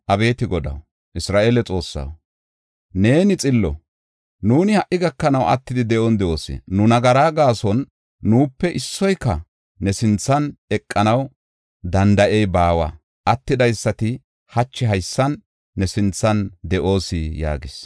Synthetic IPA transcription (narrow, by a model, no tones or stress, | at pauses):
ʔɐbe̞ːt̪ɪɡɔd̪ɐ̰w | ʔɪsɾaːʔeːlɛt͡sʼo̞ːsːɐ̰w | ne̞ːnɪt͡sʼɪlːɔ̰ | nuːnɪhɐʔɪɡɐkːɐnɐwɐ̰t̪ːɪd̪ɪd̪ɛʔɔnd̪ɛʔoːsɪ̰nʊnɐɡɐɾaːɡaːsɔnː | uːpːɛʔɪsːɔjkːɐ | nɛsɪnt͡sːɐnɛkʼːɐnɐw | d̪ɐnd̪ɐʔɛjbaːwa̰ | ʔɐt̪ːɪd̪ɐjsːɐt̪ɪ | hɐt͡ʃːɪɦɐjsːɐnː | ɛsɪnt͡sːɐnd̪ɛʔo̞ːsɪja̰ːɡɪs